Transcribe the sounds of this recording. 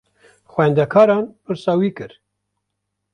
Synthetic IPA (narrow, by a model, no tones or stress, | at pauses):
xwɛnd̪ɛkʰɑːɾɑːnpɨɾsɑːwiːkɨɾ